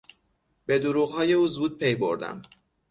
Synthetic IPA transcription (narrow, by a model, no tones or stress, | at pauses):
be̞d̪uɾuːɣhɒːje̞uːzuːd̪̥̚pʰe̞jbo̞̰ɾd̪æ̰m